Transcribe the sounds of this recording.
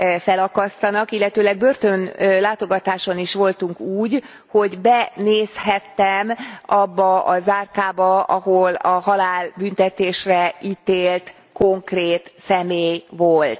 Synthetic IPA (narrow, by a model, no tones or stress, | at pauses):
fɛlɒkɒst̪ɒnɒkilːɛt̪øːlɛɡ̚børt̪ønlaːt̪o̞ɡɒt̪aːʃo̞niʃʋo̞lt̪uŋkuːɟ | ho̞ɟbɛneːshɛt̪ːɛmɒbːɒɒzaːrkaːbɒɒ̰ɦolɒhɒlaːlbynt̪ɛt̪eːʃrɛit̪eːlt̪ | ko̞ŋkreːt̪sɛmeːjʋolt̪